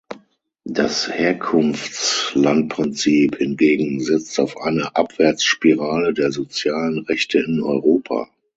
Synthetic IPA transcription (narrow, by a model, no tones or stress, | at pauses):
d̥asheːɐkʰʊnft͡slant̚pʁ̥ɪnt͡siːphɪnɡeːɡŋ̩zɛt͡staʊfʔa̰ɪnɐʔapv̥ɛɐt͡sʃpiʁaːlədeːɐzot͡sjaːlənʁɛçtʰəɪnɔʏʁoːpʰa̰ː